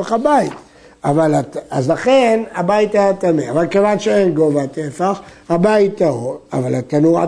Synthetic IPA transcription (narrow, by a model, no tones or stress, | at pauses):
χabait̪ | avalaazlaχe̞nabait̪ajat̪amea̰valkevanʃeenɡo̞vat̪efaχhabait̪ːaoa̰valat̪anuʁa